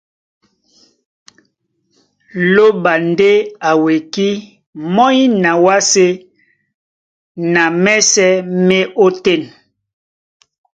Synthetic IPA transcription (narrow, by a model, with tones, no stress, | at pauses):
lo˦ba˨nde˦a˨we˨ki˦ | mɔ˦i˦na˨wa˦se˦ | na˨mɛ˦sɛ˦mɛ˦ʔo˦te˦˨n